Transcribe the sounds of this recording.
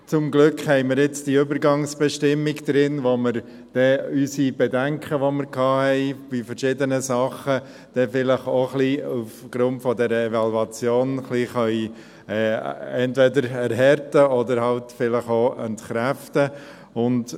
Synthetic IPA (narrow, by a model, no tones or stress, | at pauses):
t͡sʊmɡlʏkχhɛɪmɪɾɪt͡sd̥iʏbəɾɡɑŋsb̥ɛʃtɪmːiɡd̪̥ɾɪnʋoməɾ | d̥ɛysib̥ɛdæŋkʰəʋoməɾkʰɑːhɛɪb̥ifəɾʃɪdənəsɑχə | d̥ɛfɪləχoχliufɡ̥ɾʊntfɔdɛɾəɛvɑluɑt͡sjoːnχliχœʏ | ɛːɛntvɛdəɾɛɾɦɛɾtəɔdəɾhɑltfɪləχoʔɛ̰ntχɾæftə | ʊnt